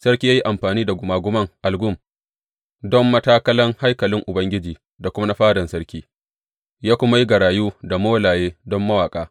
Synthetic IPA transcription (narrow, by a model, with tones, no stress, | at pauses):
sɐ˦ɾkʲiː˦jaː˦ji˦ʔa˨mɸaː˨niː˦da˨ɡʷʊ˨maː˨ɡʷʊ˦mɐ˦ŋʔa˨lɡʊ˦˨m | dɔ˦mːɐ˦taː˦kɐ˦lɐ˦ŋha˦jkɐ˨lɪ˦ŋʔʊ˨bɐ˦ŋɡʲɪ˦d͡ʒiː˨ | da˨kʷʊ˦m˦a˦ɸaː˦dɐ˨nsɐ˦ɽkʲiː˦ | jaː˦kʷʊ˦ma˦ji˦ɡɐ˨ɾaː˨juː˦da˨moː˦laː˨jeː˦dɔ˦mːɐ˦waː˨kʼaː˦